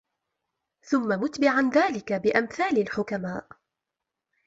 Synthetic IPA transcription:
θʊmːamʊt̪bɪʕanðaːlɪkabɪʔamθaːlalħʊkamaːʔ

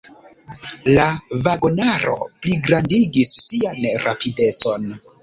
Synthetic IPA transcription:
lavaɡonaɾo̞̰pliɡɾandiɡisːianɾa̰pide̞t͡so̞n

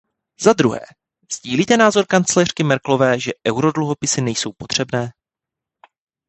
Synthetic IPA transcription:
zad̪ɾuɦɛ̰ː | z̥ɟiːliːt̪ɛnaːzo̞ɾkant͡slɛr̝̥kɪmɛɾklo̞vɛːʒɛʔɛwɾo̞dluɦo̞pɪsɪnɛjso̞wpo̞t̪r̝̥ɛbnɛː

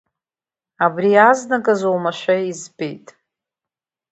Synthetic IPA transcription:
abriaznakʼazowmaʃʷᶣaizbejtʼ

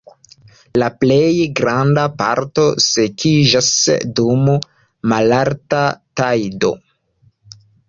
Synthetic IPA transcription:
laplejɡɾandapa̰ɾto̞sekʰid͡ʒasdum | malaɾtatajdo̞̰

